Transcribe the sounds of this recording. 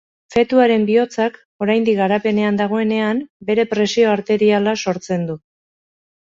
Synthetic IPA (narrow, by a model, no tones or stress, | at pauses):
fe̞t̪uaɾe̞mbio̞t͡sak | o̞ɾajnd̪iɡaɾape̞ne̞and̪aɣ̞o̞e̞ne̞ambe̞ɾe̞pɾe̞sio̞aɾt̪e̞ɾialaso̞ɾt͡se̞nd̪u